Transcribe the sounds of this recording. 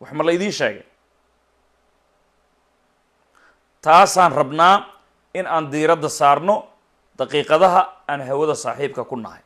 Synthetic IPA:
wɑħmɐlɐɪðiːnʃɛ̰ːɣɛj | t̪ʰaːsaːnrɐbnaː | ɪnaːnd̪iːɾɐd̪ɐsaːrnɔ | d̪̥ɐqiːqɐðɐɦɐaːnɦɛwɐðɐsa̰ːħiːb̚kʰɐkʰʊnɐ̰hɛ̰j

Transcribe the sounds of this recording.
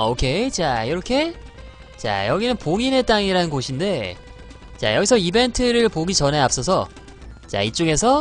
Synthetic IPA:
okʰe̞t͡ɕaiɾʌkʰe̞ | t͡ɕa̰jʌɡinɯnpoɡine̞t͈aŋiɾanɯnɡoɕʰinde̞ | t͡ɕa̰jʌɡisʰʌibe̞ntʰɯɾɯɭpoɡit͡ɕʌnɦe̞ap̚s͈ʌsʰʌ | t͡ɕa̰it͡ɕ͈oɡe̞sʰʌ

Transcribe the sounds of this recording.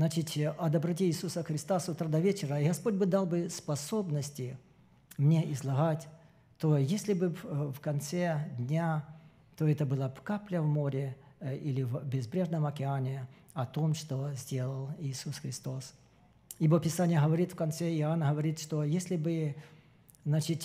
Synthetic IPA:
znat͡ɕɪtʲɐd̪ɐbɾɐt̬ʲiːsusəxɾʲɪst̪asut̪ɾad̪ɐvʲet͡ɕɪɾəiɣɐspodʲbɨd̪alˠbɨspɐso̞bnəsʲtʲɪ | mnʲeʔɪzlˠɐɣatʲ | t̪ojesʲlʲɪbɨfkɐnt̪sɛd̪ʲnʲa | t̪o̞ɛt̪əbɨlˠəpkaplʲəvmo̞ɾʲɪilʲɪvbʲɪzbɾʲe̞ʐnəmɐkʲɪanʲɪ | ɐt̪o̞mʂt̪o̞zʲdʲe̞lˠəlˠiːsusxɾʲɪst̪o̞s | ibopʲɪsanʲɪjəɦəvɐɾʲit̪fkɐnt̪sɛɪanəɦəvɐɾʲit̪ʂt̪ojesʲlʲɪbɨ | znat͡ɕɪtʲ

